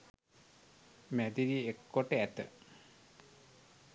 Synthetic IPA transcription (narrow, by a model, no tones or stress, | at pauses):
mæd̪iɾiekːoʈːəæt̪ə̰